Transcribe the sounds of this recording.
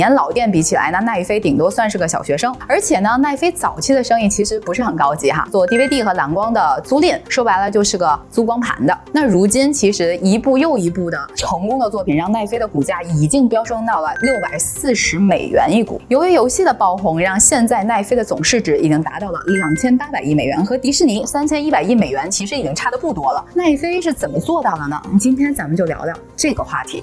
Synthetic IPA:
jɛ˧˥nlɑ˨˩ʊt̪jɛ˥˩npi˧˥t͡ɕʰi˨˩la̰˧˥ɪna˥˧na˥˧i˥˩fe˥ɪt̪i˨˩ŋt̪o˥ʊswa˥˧nʂɻ̩˥˩ɡə˩ɕjɑ˨˩ʊɕɥɛ˧˥ʂɤ˥ŋə˞˧˥t͡ɕʰjɛ˨˩nə˦˧na˥˩ɪfe˥ɪt͡sɑ˨˩ʊt͡ɕʰi˥˩d̪ə˨˩ʂɤ˥ŋi˥˩t͡ɕʰi˧˥ʂɻ̩˧˥pu˧˥ʂɻ̩˥˩xə˨˩nkɑ˥ʊt͡ɕi˧˥xa̰˧t͡swɔ˥˧t̪i˥˩we˥ɪt̪̬i˥˩xɤ˧˥la˧˥nkwɑ˥ŋd̪ə˨t͡su˥lɛ˥˩nʂo˥ʊpa˧˥ɪlə˧t͡ɕjo˥˧ʊʂɻ̩˥˩ɡə˩t͡su˥kwɑ˥ŋpʰa̰˧˥nd̪ə˧na˥˩ɻu˧˥t͡ɕi˥nt͡ɕʰi˧˥ʂɻ̩˧˥i˧˥pu˥˧jo˥˩ʊi˧˥pu˥˩d̪ə˩ʈ͡ʂʰɤ˧˥ŋkʊ˥ŋd̪ə˧t͡swɔ˥˩pʰi˨˩nɻɑ˥˧ŋna˥˩ɪfe˥ɪd̪ə˨ku˨˩t͡ɕja˥i˨˩t͡ɕi˥˧ŋpjɑ˥ʊʂɤ˥ŋt̪ɑ˥˩ʊlə˩ljo˥˩ʊpa˨˩ɪsɹ̩˥˩ʂɻ̩˧˥me˨˩ɪɥɛ̰˧˥ni˥˩kṵ˨˩˦jo˧˥ʊjɛ˧˥jo˧˥ʊɕi˥˩d̪ə˩pɑ˥˩ʊxʊ˧˥ŋɻɑ˥˧ŋɕjɛ˥˧nt͡sa˥˧ɪna˥˩ɪfe˥ɪd̪ə˨t͡sʊ̰˨˩ŋʂɻ̩˥˩ʈ͡ʂɻ̩˧˩ḭ˨˩t͡ɕi˧˥ŋt̪a˧˥t̪ɑ˥˩ʊlə̰˩ljɑ˨˩ŋt͡ɕʰjɛ˥npa˥pa˨˩ɪi˥˩me˨˩ɪɥɛ˧˥nxɤ˧˥t̪i˧˥ʂɻ̩˥˩ni˧˥sa˥nt͡ɕʰjɛ˥ni˥pa˨˩ɪi˥˩me˨˩ɪɥɛ˧˥nt͡ɕʰi˧˥ʂɻ̩˧˥i˨˩t͡ɕi˥ŋʈ͡ʂʰa˥˩d̪ə˩pu˥˩t̪wɔ˥lə˨na˥˩ɪfe˥ɪʂ̬ɻ̩˥˩t͡sə˨˩nmə˦t͡swɔ˥˧t̪ɑ˥˩ʊlə˩nə̰˩t͡ɕi˥nt̪ʰjɛ˥nt͡sa˧˥nmə˧nt͡ɕjo˥˩ʊljɑ̰˧˥ʊt̪ɑ˥˩ʊʈ͡ʂɤ˥˩ɡə˩xwa̰˥˩t̪ʰḭ˧˥

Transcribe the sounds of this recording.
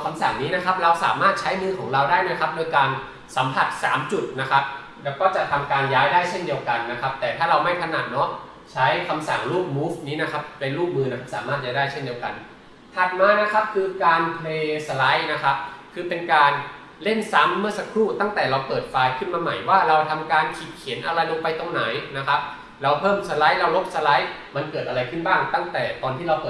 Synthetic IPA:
kʰa˧msa˨˩ŋniː˦˥na˦˥kʰa˦˥p̚ɾa˧wsa̰ː˩˦maː˥˩t̪̚t͡ɕʰa˦˥jmɯː˧kʰɔː˩˦ŋɾa˧wdaː˥˩jna˦˥˩kʰa˦˥p̚doː˧jkaː˧n | sa˩˦mpʰa˨˩t̪̚sa̰ː˩˦mt͡ɕu˨˩t̪̚na˦˥kʰa˦˥p̚ | lɛː˦˥wkɔː˥˩t͡ɕa˨˩ʔt̪ʰa˧mkaː˧njaː˦˥jdaː˥˩jt͡ɕʰe˥˩ndi˧əwka˧nːa˦˥kʰa˦˥p̚t̪ɛː˨˩t̪ʰaː˥˩ɾa˧wma˥˩jkʰa˧naː˨˩t̪̚nɔ˦˥ | t͡ɕʰa˦˥jkʰa˧msa˨˩ŋluː˥˩k̚muː˦˥fniː˦˥na˦˥kʰa˦˥p̚ːe˧nluː˥˩k̚mɯː˧na˦˥kʰa˦˥saː˩˦maː˥˩t͡ɕaː˥˩daː˥˩jt͡ɕʰe˥˩ndi˧əwka̰˧n | t̪ʰa˨˩t̪̚maː˧na˦˥kʰa˦˥p̚kʰɯː˧kaː˧npʰleː˧sa˧la˦˥jna˦˥kʰa˦˥p̚kʰɯː˧pe˧nkaː˧n | le˥˩nsa˦˥mːɯ˥˩ɐsa˧kʰɾuː˥˩t̪a˥˩ŋt̪ɛː˨˩ɾa˧wpɤː˨˩t̪̚faː˧jkʰɯ˥˩nmaː˧ma̰˨˩jwaː˥˩ɾa˧wt̪ʰa˧mkaː˧nkʰi˨˩t̪̚kʰi˨˩˦nʔa˧ɾa˧jlo˧ŋpa˧jt̪o˧ŋna˩˦jna˦˥kʰa˦˥p̚ | ɾa˧˥wpʰɤː˥˩msa˧la˦˥jɾa˦˥wlo˦˥p̚sa˧la˦˥j | ma˧nkɤː˨˩t̪̚ʔa˧ɾa˧jkʰɯ˥˩nbaː˥˩ŋt̪a˥˩ŋt̪ɛː˨˩t̪ɔː˧nt̪ʰiː˥˩ɾa˧wpɤː˨˩

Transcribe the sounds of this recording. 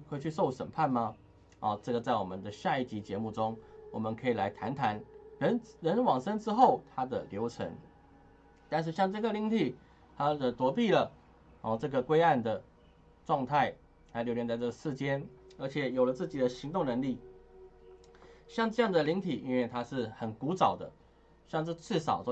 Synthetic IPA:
xwe˥˩t͡ɕʰy˥˧ʂo˥˩ʊʂə̰˨˩npʰa˥˩nmɐ˨ | ɔ˥˨ʈ͡ʂɤ˥˩ɡə˩t͡sa˥˩ɪwɔ˨˩mə˨˦nd̪ə˨ɕja˥˧i˥˩t͡ɕi˧˥t͡ɕjɛ˧˥mu˥˩ʈ͡ʂʊ˥ŋwɔ˨˩mə˦nkʰɤ˧˥i˨˩la˧˥ɪt̪ʰa˧˥nt̪ʰa˧˥nɻə˧˥nɻə˧˦˥nwɑ˨˩ŋʂə˥ŋʈ͡ʂɻ̩˥xo˥˩ʊt̪ʰa˥d̪ə̰˨ljo˧˥ʊʈ͡ʂʰə̰˧˥ŋ | t̪a˥˧nʂ̬ɻ̩˥˧˩ɕjɑ˥˧ŋʈ͡ʂɤ˥˩ɡə˩li˧˥ŋt̪ʰi˨˩ | t̪ʰa˥ə˨˩t̪wɔ˧˥pi˥˩lə˩ | ɔ˨˩ʈ͡ʂɤ˥˩ɡə˩kwe˥ɪa˥˩nd̪ə˩ | ʈ͡ʂwɑ˥˧ŋt̪ʰa˥˩ɪ | a˥lo˧˥ʊljɛ˧˥nt͡sa˥˧ɪɤ˥˩ɡə˩ʂɻ̩˥˩t͡ɕjɛ˥nə˞˧˥t͡ɕʰjɛ˨˩jo˨˩ʊlə˦t͡sɹ̩˥˩t͡ɕi˨˩d̪ə˦ɕi˧˥ŋt̪ʊ˥˩ŋnə˧˥ŋli˥˩ | ɕjɑ˥˧ŋʈ͡ʂɤ˥˧jɑ˥˩ŋd̪ə˩li˧˥ŋt̪ʰi˨˩ʔi˥nwe˥˧ɪt̪ʰa˥ʂɻ̩˥˩xə˨˩nku˧˥t͡sɑ˨˩ʊd̪ə̰˦ | ɕjɑ˥˧ŋt͡sə˥˧ʈ͡ʂɻ̩˥˩ʂɑ˨˩ʊs

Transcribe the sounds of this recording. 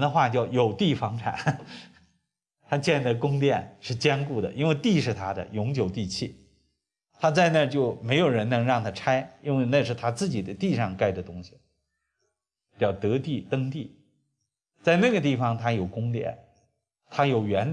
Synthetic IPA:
nd̪ə˧xwa˥˧t͡ɕjɑ˥˩ʊjo˨˩ʊt̪i˥˩fɑ˧˥ŋʈ͡ʂʰa̰˨˩˦n | t̪ʰa˥t͡ɕjɛ˥˧nd̪ə˩kʊ˥ŋt̪jɛ˥˧nʂɻ̩˥˩t͡ɕjɛ˥nku˥˩d̪ə̰˩ʔi˥nwe˥˧ɪt̪i˥˧ʂɻ̩˥˩t̪ʰa˥d̪ə̰˨jʊ˧˥ŋt͡ɕjo˨˩ʊt̪i˥˧t͡ɕʰi˥˩ | t̪ʰa˥t͡sa˥˧ɪna˥˧t͡ɕjo˥˩ʊme˧˥ɪjo˨˩ʊɻə˧˥nɤ˧˥ŋɻɑ˥˩ŋt̪ʰa˥ʈ͡ʂʰa˥ɪi˥nwe˥˧ɪna˥˧ʂɻ̩˥˩t̪ʰa˥t͡sɹ̩˥˩t͡ɕi˨˩t͡s̪a˥˧ɪt̪i˥˧ʂɑ˥˧ŋka˥˩ɪd̪ə˩t̪ʊ˥ŋɕi̥˨˩˧ | t͡ɕɑ˥˩ʊt̪ɤ˧˥t̪i˥˩t̪ɤ˥ŋt̪i˥˩ | t͡sa˥˧ɪna˥˩ɡə˩t̪̬i˥˩fɑ˩ŋt̪ʰa˥jo˨˩ʊkʊ˥ŋt̪̬jɛ̰˥˩n | t̪ʰa˥jo˨˩ʊɥɛ˧˥n

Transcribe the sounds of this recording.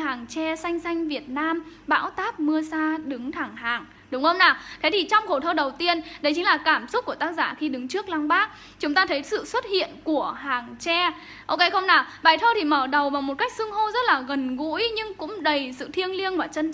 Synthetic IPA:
ɦaː˨˩ŋt͡ɕɛ˧sa˧jŋ̟sa˧jŋ̟vi˨˩ət̚naː˧mɓa̰ː˧˥wt̪aː˦˥p̚mɨ˧əsaː˧ɗɨ˨˦ŋt̪ʰaː˨˩ŋɦaː˨˩ŋ | ɗʊ˨˦ŋ͡mxə˧wŋ͡mnaː˨˩t̪ʰe˨˦t̪ʰi˨˩t͡ɕɔ˧wŋ͡mxo˨˩t̪ʰəː˧ɗə˨˩wt̪i˧ənɗə˨˦jt͡ɕï˨˦ŋlaː˨˩kaː˧˩msʊ˦˥k͡p̚ku˧˩ət̪ːk̚zaː˧˩xi˧ɗɨ˨˦ŋt͡ɕɨ˦˥ək̚la˧ŋɓaː˦˥k̚ | t͡ɕʊ˨˦ŋ͡mt̪aː˧t̪ʰə˨˦jsɨ̰˧˨swə˦˥t̚hḭ˧˨ənku˧˩əɦaː˨˩ŋt͡ɕɛ˧ | ʔo˧ke˧jxə˧wŋ͡mnaː˨˩ɓaː˨˩jt̪ʰəː˧t̪ʰi˨˩məː˧˩ɗə˨˩wvaː˨˩wmo˨˩t̚ka˦˥k̚sɨ˧əŋɦo˧zə˦˥t̚laː˨˩ɣə˨˩nɣṵ˧˥jɲɨ˧ŋkʊ̰˧˥ŋ͡mɗə˨˩jsɨ̰˧˨t̪ʰi˧əŋli˧ənvaː˨˩t͡ɕə˧n

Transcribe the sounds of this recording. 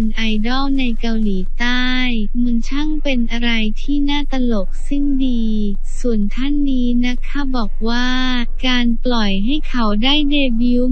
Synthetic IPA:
nʔa˧jdɔː˥˩wna˧jka˧wliː˩˦t̪aː˥˩j | mɯ˧ə˦nt͡ɕʰa˥˩ŋpe˧nʔa˧ɾa˧jt̪ʰiː˥˩naː˥˩t̪a˧lo˨˩k̚si˥˩ndiː˧ | su˨˩ənt̪ʰa˥˩nːiː˦˥na˦˥kʰːa˥˩wbɔː˨˩k̚waː˥˩ | kaː˧nplɔ˨˩jɦa˥˩jkʰa˦˥wdaː˥˩jdeː˧bi˦˥w

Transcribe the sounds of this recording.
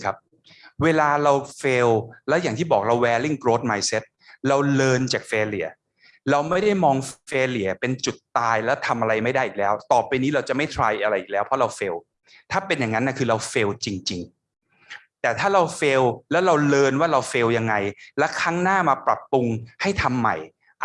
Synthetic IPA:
kʰa˦˥p̚ | weː˧laː˧ɾa˧wfeː˧wlɛ˦˥wjaː˨˩ŋt̪ʰiː˥˩bɔː˨˩k̚ɾa˧wwɛː˧li˦˥˩nkɾoː˦˥t̪̚maː˧jse˦˥t̪̚ɾa˧wlɤː˧nt͡ɕaː˨˩k̚feː˧li˩˦ɐ | ɾa˧wma˥˩jda˥˩jmɔː˧ŋfeː˧li˩˦ɐ˦pe˧nt͡ɕu˨˩t̪ːaː˧jlɛ˦˥wt̪ʰa˧mʔa˧ɾa˧jma˥˩jdaː˥˩jʔiː˨˩k̚lɛː˦˥wt̪ɔː˨˩pːa˧niː˦˥ɾa˧wt͡ɕa˨˩ʔma˥˩jt̪ʰɾaː˧jʔa˧ɾa˧jʔiː˨˩lɛː˦˥wpʰɾɔ˦˥ɾa˧wfeː˧w | t̪ʰaː˥˩pe˧njaː˨˩ŋa˦˥nːʔa˧˥˩kʰɯː˧ɾa˧wfeː˧wt͡ɕi˧ŋt͡ɕi˧ŋ | t̪ɛː˨˩t̪ʰaː˥˩ɾa˧wfeː˧wlɛː˦˥wɾa˧wlɤː˧nwaː˥˩ɾa˧wfeː˧wja˧ŋːa˧jlɛ˦˥kʰaː˦˥ŋnaː˥˩maː˧pɾa˨˩pːu˧ŋha˥˩jt̪ʰa˧mːa˨˩j | ʔ

